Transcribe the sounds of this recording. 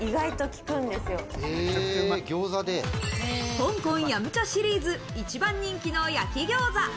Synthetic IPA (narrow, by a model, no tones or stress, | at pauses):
iɡait̪o̞kʲi̥kɯ̟̃nd̪e̞sɨjo̞eeɡʲo̞ːzad̪e | kõ̞ŋkõɰ̃jamɯ̟t͡ɕoɕiɾʲiːzɨit͡ɕibãɲ̟ːĩŋkʲino̞ːjakʲiɡʲo̞ːza